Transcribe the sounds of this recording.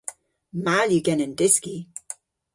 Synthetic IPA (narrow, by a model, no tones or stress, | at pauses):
maljuɡɛnəndɪski